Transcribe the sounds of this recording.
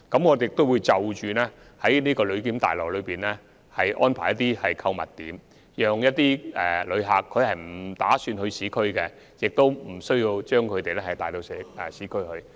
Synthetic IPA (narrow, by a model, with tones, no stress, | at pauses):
kɐ˨˥mŋɔ˨˧d̪e˨jɪ˨k̚t̪o˥wu˨˧jt͡sɐ˨wt͡ʃyː˨nɛː˥ | hɐ˨˥jniː˥kɔː˧lɵ˨˧ɥkiː˨˥mt̪a̰ː˨˩jlɔː˨˩k̚lɵ˨˧ɥpiː˨˩nlɛː˥ | hɐ˨jʔɔ̰ː˥npʰaː˨˩jɐ˥t̪̬ːiː˥hɐ˨jkʰɐ˧wmɐ̰˨˩t̚t̪ḭː˨˥m | jœː˨˧ŋjɐ˥t̚t̪iː˥ɛ̰ː˨lɵ˨˧ɥɦaː˨kʰːɵ˨˧ɥhɐ˨jm̩˨˩t̪aː˨˥syː˧nhɵ˧ɥsiː˨˥kʰɵ˥ɥkɛ˧ | jɪ˨k̚t̪o˥wm̩˨˩sɵ˥ɥjiː˧wt͡ʃœː˥ŋkʰɵ˨˧t̪e˨jlɛ˥hɐ˨˩jt̪aː˨jt̪o˧wsɛː˨˥ɛ˨siː˨˥kʰɵ˥ɥhɵ˧ɥ